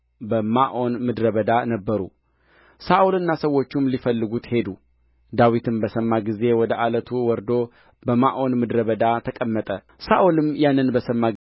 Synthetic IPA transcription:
bəmaʔo̞nmɨd̪ɾəβəd̪anəbːəɾṵ | saʔulɨnːasəwːo̞t͡ʃːumlifəlːɨɡut̪he̞d̪u | d̪awit̪ʰɨmbəsəmːaɡize̞wɔd̪əʔalət̪ʰuwɔɾd̪o̞ | bəmaʔo̞nmɨd̪ɾəβəd̪at̪ʰəkʼəmːət̪ʼə | saʔulɨmjanːɨnbəsəmːa

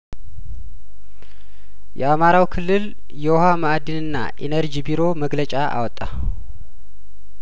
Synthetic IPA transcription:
jɛ̰amaɾawkʰɨlːɨl | jɛwɔɦamaʔad̪ɨnɨnːa̰ʔḛnəɾd͡ʒibiɾo̞məɡlət͡ʃʼaʔa̰wɔt̪ʼːa̰

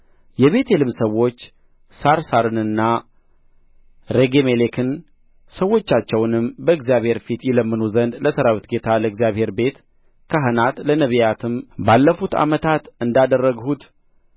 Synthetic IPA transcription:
jɛβe̞t̪ʰe̞lɨmsəwo̞t͡ʃː | saɾsaɾɨnɨnːa | ɾeɡemelekʰɨn | səwːo̞t͡ʃːat͡ʃːɛwnɨmbəɨɡzijaβhe̞ɾfit̪jɪləmːɨnuzənd̪ləsəɾawit̪ɡe̞t̪ʰaləɨɡzijaβhe̞ɾbe̞t̪ | kʰəɦənat̪lənəβijat̪ʰɨmbalːəfut̪a̰mət̪ʰat̪ɨnd̪ad̪ərːəɡhut̪

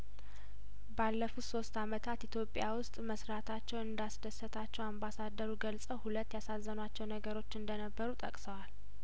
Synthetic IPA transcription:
balːəfutso̞st̪amət̪ʰat̪ʔit̪ʰjo̞pʼjawʊst̪ʼməsɾat̪ʰat͡ʃːɛwɨnd̪asd̪əsːət̪ʰat͡ʃːɛwambasad̪ːəɾuɡəlsʼəwhulət̪ːjasazːənwat͡ʃːɛwnəɡəɾo̞t͡ʃːɨnd̪ənəbːəɾut̪ʼəkʼsəwal

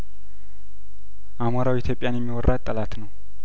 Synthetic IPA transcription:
ʔamaɾawit̪ʰjo̞pʼjanjɛmːiwɔrːat̪ʼːəlat̪nəw

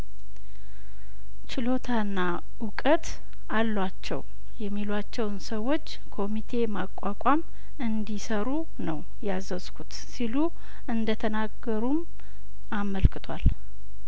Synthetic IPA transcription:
t͡ʃɪlo̞t̪ʰaɨnːa | ʊkʼət̪ | alːwat͡ʃːɛ̰w | jɛmːilwat͡ʃːɛwnsəwːo̞t͡ʃː | kʰo̞mit̪ʰe̞makʼːakʷʼam | ɨnd̪isəɾu | nəw | jazəzkʰut̪ | silu | ʔɨnd̪ət̪ʰənaɡəɾum | aməlkʰɨt̪ʰwa̰l

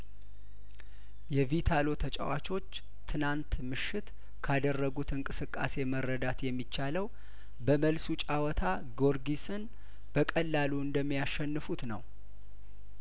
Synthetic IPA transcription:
jɛvit̪ʰalo̞t̪ʰət͡ʃʼə̰wat͡ʃʰʼo̞t͡ʃː | t̪ʰɨnant̪mɨʃːɪt̪ | kʰad̪ərːəɡut̪ɨŋkʼɨsɨkʼːa̰se̞məɾːəd̪at̪jɛmːit͡ʃːaləw | bəməlsut͡ʃʼawɔt̪ʰa | ɡo̞ɾɡisɨn | b̥əkʼəlːaluɨnd̪əmːijaʃɛnːɨfut̪nə̰w

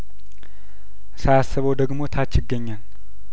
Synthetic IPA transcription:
sajasːəβəwd̪əɡmo̞t̪ʰat͡ʃːɪɡːəɲːan

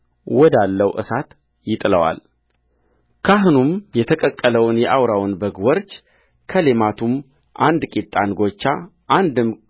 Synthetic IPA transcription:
wɔd̪alːəwʔɨ̰sat̪ | jɪt̪ʼləwa̰l | kʰaɦɨnumjɛt̪ʰəkʼəkʼːələwnjɛʔawɾawnbəɡwɔɾt͡ʃ | kʰəlemat̪ʰum | ʔand̪kʼit̪ʼːanɡo̞t͡ʃːa | ʔand̪ɨm

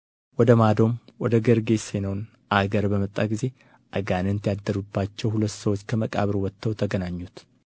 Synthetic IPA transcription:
wɔd̪əmad̪o̞mwɔd̪əɡəɾɡe̞senəwn | ʔaɡəɾbəmət̪ʼːaɡize̞ | ʔaɡanɨnt̪ʰjad̪ːəɾubːat͡ʃːɛwhulət̪ːsəwot͡ʃːkʰəməkʼaβɾwɔt̪ʰːəwt̪ʰəɡənaɲːut̪

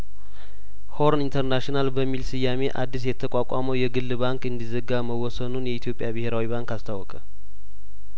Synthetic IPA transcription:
hoɾnint̪ʰəɾnaʃinalbəmːilsɨjːame̞ʔa̰d̪ːis̬jɛt̪ʰːəkʷʼakʷʼaməwjɛɡɨlːbaŋkɨnd̪izəɡaməwɔsənunjɛit̪jo̞pʼjabɨheɾawibaŋkast̪ʰawːɔkʼə

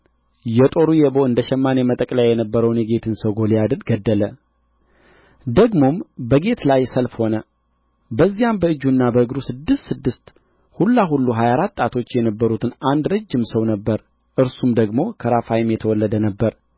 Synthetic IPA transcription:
jɛt̪ʼo̞ɾujɛbo̞ɨnd̪əʃɛmːanjɛmət̪ʼəkʼljajɛnəbːəɾəwnjɛɡe̞t̪ʰɨnsəwɡolijad̪ɨlɡəd̪ːələ | d̪əɡmo̞mbəɡe̞t̪lajsəlfho̞nə | bəzːijambəɨd͡ʒːunːabəɨɡɾusɨd̪ːɨst̪sɨd̪ːɨst̪ | hulːaɦulːuɦajaɾat̪ʼːat̪ʰo̞t͡ʃːjɛnəbːəɾut̪ʰɨnand̪ɾəd͡ʒːɪmsəwnəbːəɾ | ʔɨɾsumd̪əɡmo̞kʰəɾafajɪmjɛt̪ʰəwɔlːəd̪ənəbːəɾ

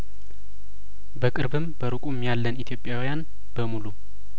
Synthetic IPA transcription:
bəkʼɨɾbɨmbəɾɨkʼumːjalːənit̪ʰjo̞pʼjawijan | b̥əmulu

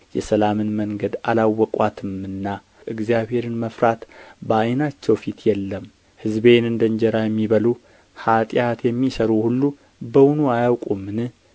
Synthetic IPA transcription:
jɛ̰səlamɨnməŋɡəd̪alawːɔkʼwat̪ʰɨmɨnːa | ʔɨɡzijaβhe̞ɾɨnməfɾat̪bəajnat͡ʃːɛwfit̪ʰjɛlːəm | hɨzbe̞nɨnd̪əɲd͡ʒɛɾajɛmːiβəlu | hat̪ʼjat̪jɛmːisəɾuhulːu | bəwnuajawkʼumːɨnɨ

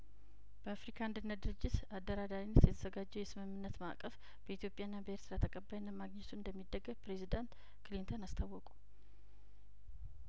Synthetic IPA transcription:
b̥əafɾikʰand̪ɨnːət̪̚d̪ɨɾɨd͡ʒːɪt̪ad̪ːəɾad̪aɾinːət̪jɛt̪ʰəzəɡad͡ʒːɛwjɛsɨmɨmːɨnːət̪ma̰kʼəf | b̥əit̪jo̞pʼjaɨnːabəeɾt̪ʰɨɾat̪ʰəkʼəbːajnːəmaɡɲɛt̪ʰuɨnd̪əmːid̪ːəɡːəβpɾe̞zid̪ant̪ | klint̪ʰonast̪ʰawːɔkʼu̥

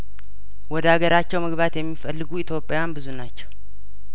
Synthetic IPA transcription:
wɔd̪əhaɡəɾat͡ʃːɛwməɡβat̪jɛmːifəlːɨɡuit̪ʰjo̞pʼːejanbɨzunat͡ʃːɛw

